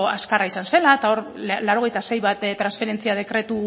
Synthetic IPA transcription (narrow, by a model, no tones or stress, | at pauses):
askaraisanse̞laet̪ao̞ɾlawɾo̞ɣe̞jt̪ase̞jβat̪t̪ːɾansfe̞ɾe̞nt͡siað̞e̞kɾe̞t̪u